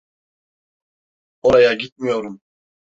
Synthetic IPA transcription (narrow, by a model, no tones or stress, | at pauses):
oɾɑjɑɡʲit̪̚mijoɾum